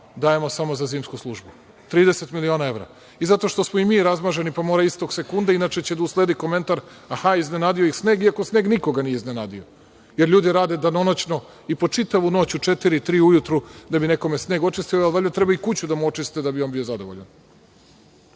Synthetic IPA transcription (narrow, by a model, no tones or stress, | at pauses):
d̪aje̞mo̞samo̞zaziːmskuslˠuʒbu | t̪ɾiːd̪eset̪milio̞ːnae̞vɾa̰ | izat̪o̞ʃt̪osmo̞imiːɾazmaʒe̞nipamo̞ːɾaist̪o̞ɡsekund̪ainat͡ʃet͡ɕe̞d̪auslˠe̞ːd̪iko̞me̞nt̪aɾ | axaiznenaːd̪ijoixsneːɡiakosneːɡniko̞ɡanijeiznenaːd̪io | jeɾlʎuːd̪iɾaːd̪e̞d̪ano̞not͡ɕno | ipo̞t͡ʃit̪aʋuno̞ːt͡ɕut͡ʂet̪iɾit̪ɾiːujut̪ɾud̪abine̞ko̞mesne̞ːɡo̞t͡ʃist̪ijoalʋaʎʲat̪ɾebaikut͡ɕud̪amuo̞t͡ʃist̪it̪ed̪abio̞nbijo̞zad̪oʋoʎa̰n